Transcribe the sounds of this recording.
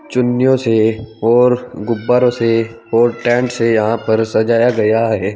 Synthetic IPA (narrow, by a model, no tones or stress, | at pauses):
t͡ʃʊnːjõseɔːɾɡʊbːaɾõse | ɔːɾʈɛ̃ːɳʈsejɐɦãpɐɾsɐd͡ʒaːjaɡɐjaɦɛː